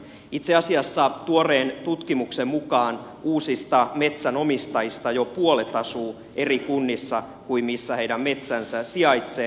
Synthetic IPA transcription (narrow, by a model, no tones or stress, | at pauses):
it̪seɑsiɑsːɑt̪uoreːnt̪ut̪kimuksemmukɑːn | uːsist̪ɑme̞t̪sænomist̪ɑjist̪ɑjopuolet̪ɑsuː | erikunːisːɑ | kuimmisːæheidæmme̞t̪sænsæsiɑjt̪seː